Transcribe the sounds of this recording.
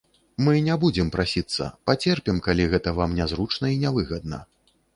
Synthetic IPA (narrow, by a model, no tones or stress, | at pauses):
mɨnʲabud͡zʲɛmpɾʔasʲit̪sːɐ̰pat͡sʲɛrpʲɛmkalʲiɣɛt̪ɐvamnʲazɾut͡ʂnɐinʲavɨɣɐd̪̚nɐ̰